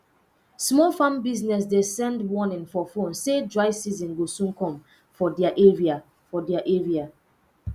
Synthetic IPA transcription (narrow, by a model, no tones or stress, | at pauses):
smɔlfãmbiznɛs̬desɛ̃ndwɔnĩŋfɔfõnsed͡ʒwaɪsizĩnɡosũŋkɔ̃m | fɔdɛaʔeɹia | fɔdɛaʔeɹia